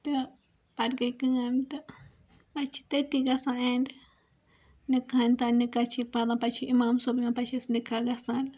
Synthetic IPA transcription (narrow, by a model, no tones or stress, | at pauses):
t̪e | paɾkekɨŋant̪a | pat͡ʃi̥t̪et̪iɡasãend | nikhãnt̪anikat͡ʃipad̪ãpat͡ʃiʔimãmsobimãpat͡ʃesnikʰaɡasãl